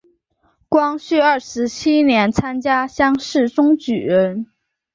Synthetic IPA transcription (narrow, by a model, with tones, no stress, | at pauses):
kwɑ˥ŋɕy˥˧ə˞˥˩ʂɻ̩˧˥t͡ɕʰi˥njɛ˧˥nt͡sʰa˥nt͡ɕja˥ɕjɑ˥ŋʂɻ̩˥˩ʈ͡ʂʊ˥ŋt͡ɕy˨˩ɻə˧˥n